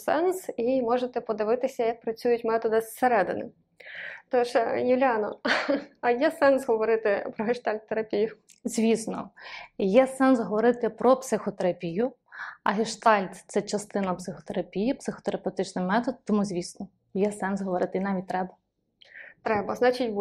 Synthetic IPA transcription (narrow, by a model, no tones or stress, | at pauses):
sɛnsimɔʒet̪ɛpɔd̪ɪʋɪt̪ɪsʲɐjɐk̚pɾɐt͡sʲujʊtʲmɛt̪ɔd̪ɪsseɾɛd̪ɪ̰nɪ̰ | t̪ɔʃjɪwlʲɑnɔ | ɐjɛsɛnsɦɔʋɔɾɪt̪ɪpɾɔɦɪʃt̪ɑlʲt̪ːeɾɐpʲijʊ | zʲʋʲisnɔ̰jɛsɛnsɦɔʋɔɾɪt̪ɪpɾɔpsɪxɔt̪eɾɐpʲijʊɐ̰ɦɪʃt̪ɑlʲt̪t̪sɛt͡ʃɐst̪ɪnɐpsɪxɔ̥t̪eɾɐpʲijipsɪxɔ̥t̪eɾɐpewt̪ɪt͡ʃnɪjmɛt̪ɔd̪̚t̪ːɔmuzʲʋʲisnɔ | jɛsɛnsɦɔʋɔɾɪt̪ɪinɑʋʲit̚ʲt̪ɾɛbɐ | t̪ɾɛbɐznɑt͡ʃʲitʲ